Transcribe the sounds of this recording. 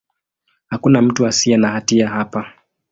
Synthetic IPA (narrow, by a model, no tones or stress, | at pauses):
hakunam̩tuasiɛnahatiahapa